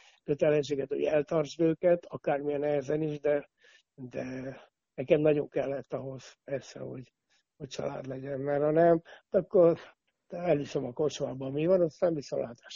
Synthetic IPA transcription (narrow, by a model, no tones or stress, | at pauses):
køt̪ɛlɛnʃ̬eːɡɛt̪ho̰ɟɛlt̪ɒrzbøːkɛt̪ʰɒkaːrmiɛnɛɦɛzɛniʒd̪ɛ | d̪ɛ | nɛkɛmnɒɟo̞ŋkɛlːɛt̪ːɒɦo̞z̥pɛrsɛ̰ho̞̰ɟ | hoc̚t͡ʃɒ̰la̰ːd̪lɛɟɛnmɛrɒnɛmt̪ɒkːor | t̪ɛlisømɒkort͡ʃomaːbɒmivɒnɒst̪aːmbisomlʔaːt̪aːʃ